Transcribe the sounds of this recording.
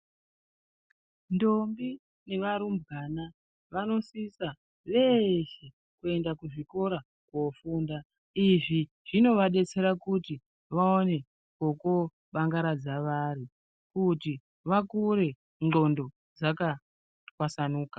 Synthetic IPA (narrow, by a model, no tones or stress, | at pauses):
ndo̞mbi | ne̞ʋaɾumbɡana | ʋano̞sisa | ʋe̞ʃe | kue̞ndakuʐiko̞ɾa | kwofuːnda | iʐi | ʐ̥ino̞ʋaɗe̞t͡se̞ɾakuti | ʋaone̞ | koko | ɓaŋɡaɾad͡zaʋaɾi | kuti | ʋakuɾe̞ | ŋŋ͡ǃo̞ndo̞ | d͡zaka | kwasanuːka